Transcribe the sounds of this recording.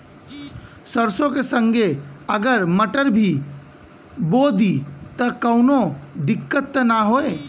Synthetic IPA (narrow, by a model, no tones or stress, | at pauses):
səɾsõkesə̃ŋɡʱeəɡəɾməʈəɾbʱi | boːd̪it̪əkəʊnod̪ɪkːət̪ːnaɦoːeː